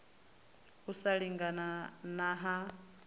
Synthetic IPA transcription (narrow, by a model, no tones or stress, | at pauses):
usaɺiŋɡananaɦa